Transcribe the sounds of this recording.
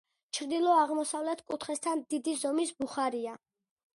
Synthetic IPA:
t͡ʃʰɾd̪ilˠɔaʁmɔsavlɛt̪ʰkʼut̪ʰχɛst̪ʰand̪id̪izɔmisbuχaɾia

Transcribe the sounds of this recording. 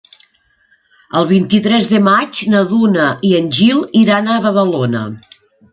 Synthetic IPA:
əlˠβ̞int̪it̪ɾɛzðəmat͡ʃnəðunəʔiənʲʒilˠiɾanəβəðəlonə̰

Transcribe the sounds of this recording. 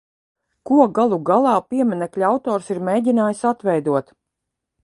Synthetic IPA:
kuɔɡalˠuɡalˠɑːpiɛmɛnɛklʲawt̪ɔːɾsiɾmeːɟʲinaːjisat̪ʋɛjd̪uɔt̪

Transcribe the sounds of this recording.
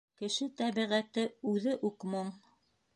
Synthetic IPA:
kɘ̆ʃɘt̪æβiʁæt̪ɘʉðɘʔuqmoɴ

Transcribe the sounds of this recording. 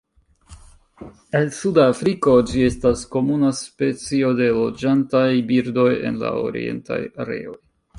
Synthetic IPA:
elsudafɾiko̞d͡ʒie̞stasko̞munaspe̞t͡sio̞de̞lo̞d͡ʒantajbiɾdo̞je̞̰nla̰o̞̰ɾḭe̞̰nta̰jaɾe̞̰o̞j

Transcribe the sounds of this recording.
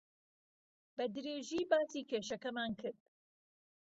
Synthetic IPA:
b̥ɐd̪ɨɾeːʒiːbaːsiːkʰeːʃɐkɐmaːnkʰɨɾd̪̥̚

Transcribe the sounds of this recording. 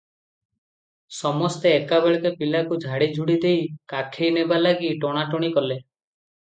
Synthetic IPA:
sɔmɔst̪eːkabeɭekepilakud͡ʒʱaɽid͡ʒʱuɽid̪ejkakʰejnebalaɡiʈɔɽ̃aʈɔɽ̃ikɔle

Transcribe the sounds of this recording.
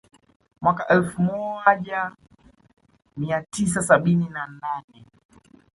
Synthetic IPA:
mwakaʔɛlfmɔʄa | miatis̬asaɓininananɛ

